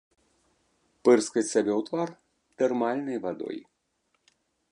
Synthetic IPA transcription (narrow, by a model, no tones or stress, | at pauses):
pɨrskɐt͡sʲsʲabʲɛwt̪var | t̪ɛrmalʲnɨjvad̪ɔ̰j